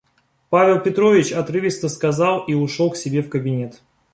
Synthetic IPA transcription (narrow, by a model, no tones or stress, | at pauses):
pavʲɪlˠpʲɪt̪ɾovʲɪt͡ɕɐt̪ɾɨvʲɪst̪əskɐzɑlˠiʊʂolˠksʲɪbʲe̞fkəbʲɪnʲe̞t̪